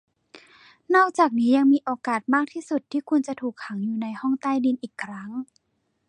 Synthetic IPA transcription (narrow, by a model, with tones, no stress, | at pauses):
nɔː˥˩k̚t͡ɕaː˨˩k̚niː˦˥ja˧ŋmiː˧ʔoː˧kaː˨˩t̪̚maː˥˩k̚t̪ʰiː˥˩su˨˩t̪ʰːiː˥˩kʰu˧nt͡ɕa˨˩t̪ʰuː˨˩k̚ʰa˩˦ŋjuː˨˩na˧jhɔ˥˩ŋt̪aː˥˩jdi˧nʔiː˨˩kʰːɾa˦˥ŋ